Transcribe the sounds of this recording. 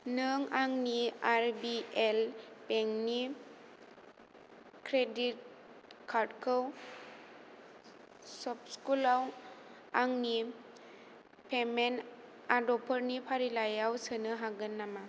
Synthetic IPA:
nɯŋaŋniaɾbielpeŋni | kʰɾedit̚ | kʰaɾdkʰɯw | sɔp̚skulaw | aŋni | pʰemen | adɔpʰəɾnipʰaɾilajawsɯnɯɦaɡɯnːama

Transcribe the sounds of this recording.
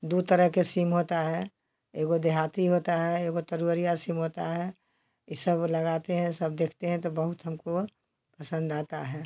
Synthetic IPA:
d̪ut̪əɾəɦkesimɦoːt̪aɦɛ | eːɡod̪eɦaːt̪iɦoːt̪aɦɛeɡot̪əɾuəɾijasimɦoːt̪aɦɛ | ɪsəbləɡaːt̪eɦɛ̃səb̚d̪eːkʰt̪eɦɛ̃t̪obəɦʊt̪ɦəmko | pəsə̃nd̪aːt̪aɦɛː

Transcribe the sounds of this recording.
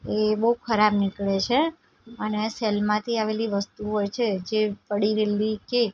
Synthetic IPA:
ebəɦukʰəɾabnikɭet͡ʃʰe | əneselmãt̪ʰiaʋeliʋəst̪uɦojt͡ʃʰed͡ʒepəɽiɾelike

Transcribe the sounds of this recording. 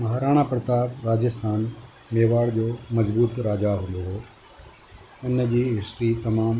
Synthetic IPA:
mɐɦaːɾaːɽ̃apɾət̪aːbɾaːd͡ʑəst̪ʰaːn | meːʋaːɽd͡ʑoːmɐzbuːt̪ɾaːd͡ʑaɦʊ̃nd̪oɦoː | ʊnd͡ʑiːɦɪsʈit̪ɐmaːm

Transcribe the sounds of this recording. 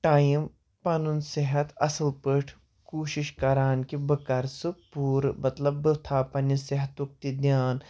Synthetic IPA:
ʈaːjim | pɐnunseɦɐt̪ɐ̰səlpəʈʰ | koːʃiʃkɐɾaːnkibəkɐɾsɨpuːɾmɐt̪lɐbːət̪ʰaːpɐnɐseɦɐt̪ʋuk̚t̪id̪jaːn

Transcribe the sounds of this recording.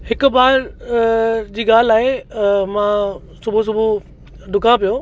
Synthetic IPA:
hɪkʊ̆baːɾ | d͡ʑiːɡaːl̤laːɦemã | sʊbʱus̬ʊbʱu | ɖʊkãpijoː

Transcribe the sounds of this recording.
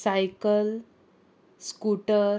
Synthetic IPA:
sajkəl | skuʈə

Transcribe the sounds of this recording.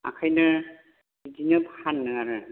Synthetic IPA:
a̰kʰajnɯ | didinɯphanːɯaɾɯ

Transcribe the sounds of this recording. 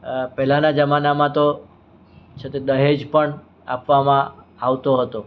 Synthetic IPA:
pɛɦlanad͡ʒəmanamãt̪o | t͡ʃʰet̪ed̪əɦed͡ʒpəɳ | a̰pʋamãaʋt̪oɦət̪o

